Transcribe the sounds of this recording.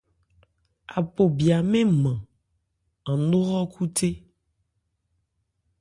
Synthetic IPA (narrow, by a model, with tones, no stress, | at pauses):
a̰˨po˨bi˨a˨mẽ˦mã˨ | a˨nõ˦ɣɔ˦kʰu˦t̪e˦